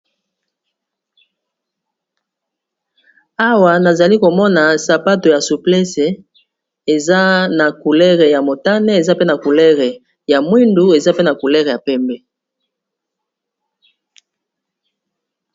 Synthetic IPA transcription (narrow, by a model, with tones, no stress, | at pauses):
a˦wa˨na˨za˨li˦ko˨mɔ˦na˨sa˨pa˦to˨ja˨su˨plɛ˦se˨ | e˨za˦na˨ku˨lɛ˦ʁe˨ja˨mo˨ta˦ne˦e˨za˦pe˦na˨ku˨lɛ˦ʁe˨ | ja˨mwi˦ndu˦e˨za˦pe˦na˨ku˨lɛ˦ʁe˨ja˨pɛ˦mbɛ˦